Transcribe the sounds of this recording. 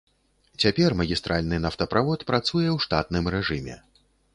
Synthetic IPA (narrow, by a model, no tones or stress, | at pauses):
t͡sʲapʲɛrmɐɣʲist̪ɾʔalʲnɨnaft̪ɐpɾavɔt̪pɾat̪sujɛwʂt̪at̪nɨmrɛʐɨmʲɛ̰